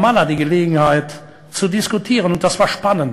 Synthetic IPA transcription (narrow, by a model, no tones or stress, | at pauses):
maladiːɡəleːɡŋ̩haɪt | t͡sudɪskutʰiːʁənʊnt̚d̥asv̥aːɐʃpanənt